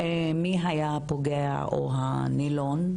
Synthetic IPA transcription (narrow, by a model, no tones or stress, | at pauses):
emiɦajapoɡea̰ʔo̰ɦa̰ | nilon